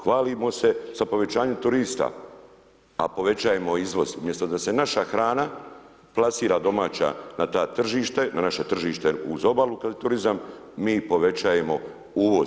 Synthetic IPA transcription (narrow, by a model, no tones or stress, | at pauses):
xʋaːlimo̞se̞z̥apo̞ʋe̞t͡ɕaːɲemt̪uɾiːst̪a̰ | a̰po̞ʋe̞t͡ɕaːjemoizʋo̞zumjest̪od̪ase̞naʃaxɾaːna | plˠasiːɾad̪o̞maːt͡ɕa̰nat̪aːt̪r̩ʒiːʃt̪e̞nanaʃe̞t̪r̩ʒiːʃt̪e̞uzo̞balukad̪et̪uɾizam | miːpo̞ʋe̞t͡ɕajemo̞ | uːʋo̞